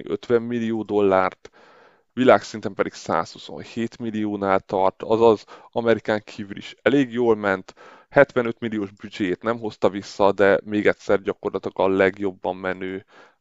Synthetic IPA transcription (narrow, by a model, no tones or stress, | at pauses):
ʔøt̪ʋɛmːilijoːd̪o̞lːaːrt̪ | ʋilaːksin̪t̪ɛmpɛd̪iksa̰ːshuso̞̰nheːt̪milijoːnaːlt̪ɒrt̪ɒzɒzɒmɛɾikaːŋkʰiːvylḭʃɛleːɡjoːlmɛnt̪ | hɛt̪ʋɛnøt̪milːijoːʒbyd͡ʒeːt̪nɛmɦo̞st̪ɒvisːɒd̪ɛmeːɡɛt̪ʲsɛrɟɒko̞rlɒt̪ilɒɡɒllɛɡjo̞bːɒmːɛnøː